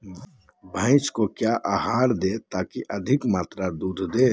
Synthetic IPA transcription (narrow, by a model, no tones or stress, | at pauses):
bʱə̃ɪt͡ʃkokjaʔaːɦaːɾd̪eːt̪aːkiʔɐd̪ʱɪkmaːt̪ɾad̪uːd̪ʱd̪eː